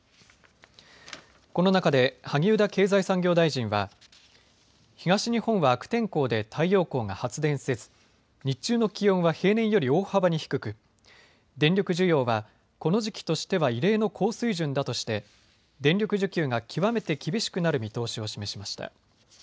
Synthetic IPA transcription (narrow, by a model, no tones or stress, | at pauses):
ko̞no̞nakad̪e̞haɡʲiɯ̟d̪ake̞ːzaisãŋɡʲo̞ːd̪aiʑĩɰ̃βa | çiɡaɕiɲ̟ihõ̞ɰ̃βaːkɯ̟̥t̪ẽ̞ŋko̞ːd̪e̞t̪ʰaijo̞ːko̞ːŋahat͡sɨd̪ẽ̞ɰ̃se̞d͡zɨ̥ | ɲ̟it͡ɕɨːno̞kʲijõ̞ɰ̃βahe̞ːnẽ̞ɰ̃jo̞ɾʲio̞ːhabaɲ̟içi̥kɯ̟kɯ̟ | d̪ẽ̞nɾʲo̞kɯ̟ʑɨjo̞ːβa | ko̞no̞ʑikʲi̥t̪o̞ɕi̥t̪e̞βaiɾe̞ːno̞kʰo̞ːsɨiʑɨ̃nd̪at̪o̞ɕi̥t̪e̞ | d̪ẽ̞nʲɾʲo̞kɯ̟ʑɨkʲɨːŋakʲʰiβame̞t̪e̞kʲibʲiɕi̥kɯ̟naɾɯ̟mʲit̪o̞ːɕio̞ɕime̞ɕimaɕi̥t̪a̰